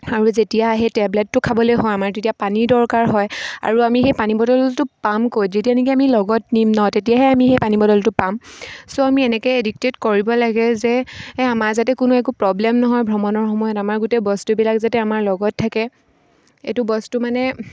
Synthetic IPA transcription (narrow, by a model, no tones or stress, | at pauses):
aɹuzetijaːɦɛtɛbletːʊkʰabɔlojɦɔjamaɹtetijapanidɔɹkaɹɦɔja̰ɹuamixejpanibɔdɔltʊpamkojzetijanik̬iamilɔɡɔtnimnɔtetijaɦɛamixejpanibɔdɔltʊpamsoamiɛnɛkɔjedik̚tetkoɹibɔlaɡɛzɛamaɹzatɛkʊnuɛkupɹɔblɛmnɔɦɔjbʱɹɔmɔnɔɹxɔmɔjɔtamaɹɡutɛbɔstubilakzatɛamaɹlɔɡɔtʰːakɛ | ḛtʊbɔstumanɛ